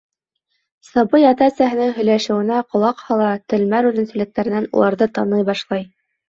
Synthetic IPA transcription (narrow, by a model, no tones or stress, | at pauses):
sɑbɤjɑt̪æsæɦɘ̆nɘŋɦɵ̆jlæʃɘ̆wɘ̆næqŏlˠɑqhɑlˠɑt̪ɘ̆lmæɾʉðɘ̆nsɘ̆lɘ̆k̚t̪æɾɘ̆nænṵlˠɑɾðɤt̪ɑnɤjbɑʃlˠɑj